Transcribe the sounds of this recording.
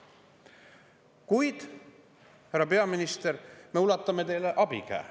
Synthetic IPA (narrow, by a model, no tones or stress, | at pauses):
kujd̪̥ | hærːɑpe̞ɑminist̪eɾme̞ulɑt̪ːˑɑme̞t̪e̞jleʔɑb̥ḭkæ̰ː